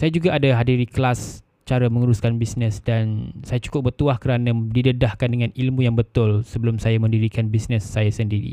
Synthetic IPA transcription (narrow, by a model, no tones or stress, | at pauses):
sajad͡ʒuɡaʔːdaɦadiɾiklas | t͡ʃaɾaməŋuɾuskanbisnəsdansajat͡ʃu̥kʊp̚bərt̪uahkəɾanãdidədahkandəŋãnilmũjaŋbət̪ʊlsəbəlʊmsajamə̃ndiɾikanbisnəsːajasəndiɾḭ